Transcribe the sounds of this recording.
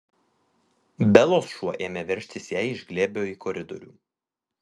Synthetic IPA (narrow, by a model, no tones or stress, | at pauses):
bʲɛlˠoːsʃuɔʔeːmʲɛʋʲɛɾʲʃʲt̪ʲɪsjæˑɪɪʒʲɡlʲeːbʲejoːiːkʰɔɾʲɪd̪ɔ̰ɾʲṵː